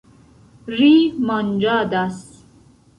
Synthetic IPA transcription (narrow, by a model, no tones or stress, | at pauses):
rimand͡ʒaːd̪as